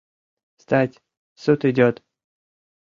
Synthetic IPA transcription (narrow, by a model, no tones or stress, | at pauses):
st̪atʲ | sut̪ɨdʲɔt̪